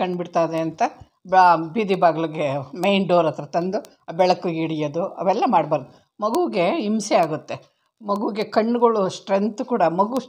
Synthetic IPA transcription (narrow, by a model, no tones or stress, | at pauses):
kɐɳɖbiɽt̪aːd̪eɐnt̪ɐ | bbiːd̪ibaːɡɐɭuɡemejnɖoːɾɐt̪ɾɐt̪ɐnd̪u | bɛɭɐkːuɡiɽijɐd̪uɐ̰ʋɛlːɐmaːɖbaːɾd̪u | mɐɡuɡe̞imseaːɡut̪ːe̞ | mɐɡuʋɡe̞kɐɳːuɡɐɭusʈɾent̪ukuːɽɐmɐɡu